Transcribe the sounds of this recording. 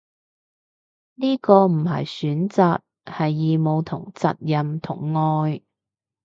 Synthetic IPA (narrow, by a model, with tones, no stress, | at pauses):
niː˥kɔː˧m̩˨˩ɦɐ̰˨jsyː˨˥nt͡saː˨k̚ | hɐ˨jːiː˨mo˨˧wt̪ʰʊ̰˨˩ŋt͡sɐ̰˨t̚jɐ˨mt̪ʰʊ̰˨˩ŋːɔː˧j